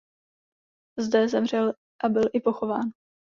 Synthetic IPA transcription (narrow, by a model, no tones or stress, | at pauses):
zdɛzɛmr̝ɛl | ʔabɪlʔɪpo̞xo̞vaːn